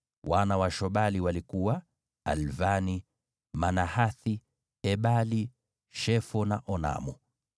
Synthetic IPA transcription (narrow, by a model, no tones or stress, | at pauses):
wanawaʃɔɓaliwalikuwa | a̰lvani | manahaθi | ɛɓali | ʃɛfɔnaʔɔna̰mu